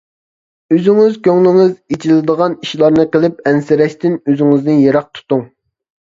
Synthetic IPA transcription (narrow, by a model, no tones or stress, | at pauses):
øzɪŋɪzkʲøŋlɪŋɪzit͡ʃʰilɪd̪əʁɑniʃlˠɑɾnɨqəlˠɪp̚ɛnsɪɾɛʃt̪ɪnøzɪŋɪznɪnjeɾɑq̚t̪ʰu̥t̪uŋ